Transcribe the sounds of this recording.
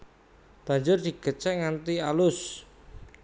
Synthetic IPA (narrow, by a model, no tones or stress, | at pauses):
b̥a̤ɲd͡ʒʊrd̪̥i̤ɡ̥ət͡ʃɛŋant̪ialʊs